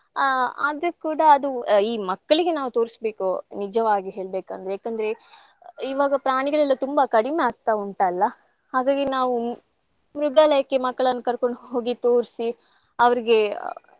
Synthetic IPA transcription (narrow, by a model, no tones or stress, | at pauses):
ɐ̰d̪ɾukuːɽɐːd̪uiːmɐkːɐɭiɡe̞naːʋut̪o̞ːɾisbeːkonid͡ʒɐʋaːɡiɦe̞ːɭbeːkɐnd̪ɾjaːkɐnd̪ɐɾe̞ | iʋaːɡɐpɾaːɳiɡɐɭɛlːɐt̪umbɐkɐɽimeaːɡ̚t̪auɳʈaːlːɐ | haːɡaːɡinaːʋu | mɾuɡalɐjɐkːemɐkːɐɭɐnːukɐɾko̞ɳɖɦoːɡit̪oːɾsi | ɐʋɐɾiɡe̞